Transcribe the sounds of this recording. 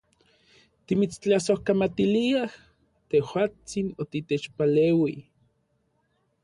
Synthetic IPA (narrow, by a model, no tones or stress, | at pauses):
t̪imit͡st͡ɬasohkamat̪iliah | t̪ehwaːt͡sinot̪it̪eːt͡ʃpaleːwi